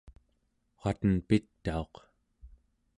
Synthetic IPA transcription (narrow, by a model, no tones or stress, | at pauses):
χat̪ənpit̪ːao̞q